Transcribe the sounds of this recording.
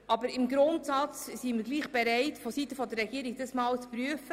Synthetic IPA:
ʔɑbəɾɪmɡɾʊntsɑt͡ssiməɾɡliːχb̥ɛɾɛɪtfɔsitəfɔdərːɛɡiəɾiɡ̚d̥ɑsmɑːlt͡spryəfə

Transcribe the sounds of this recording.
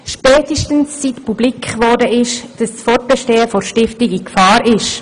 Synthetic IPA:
ʃpɛːtəʃtənsːitpublikχʋɔːrdəɪʃd̥ɑssfɔrt̚b̥ɛʃteːəfɔɾʃtɪftɪɡikfɑːɾɪʃ

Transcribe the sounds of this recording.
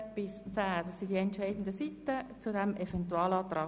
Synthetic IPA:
b̥ɪst͡sæːd̥ɑsindiɛntʃaɪdn̩d̪əsit̪ːət͡sudɛmefɛnt̪uɑːlɑːt̪ɾɑ

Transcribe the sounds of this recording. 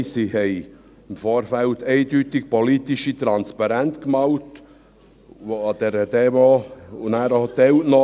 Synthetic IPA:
sihɛɪ | ɪmfoːɾfælteɪdyt̪ɪk̚polit̪iʃit̪ɾɑnspɑɾænt̪kmɑwt | ʋoɑd̥ɛɾəd̥ɛmoʊnæːɾɔt̪ɛwtnɔ

